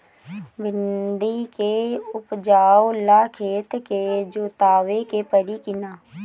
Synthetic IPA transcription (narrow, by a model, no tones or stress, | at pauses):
bɪnd̪ikeʊpd͡ʒaːolaːkʰeːt̪ked͡ʒot̪aːʋekepəɾikɪnaː